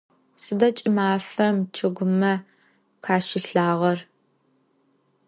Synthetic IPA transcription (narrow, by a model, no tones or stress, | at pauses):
sɨdɐt͡ʃʼɪmaːfɐmt͡ʃʰɨɡʷʊmɐ | kʰaːʃɪɬaːʁɐr